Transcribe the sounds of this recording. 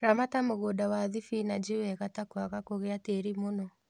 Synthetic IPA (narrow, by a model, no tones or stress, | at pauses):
ɾamatamoɣoːdawaðifinad͡ʒewɛɣatakwaɣakoɣeateɾimonɔ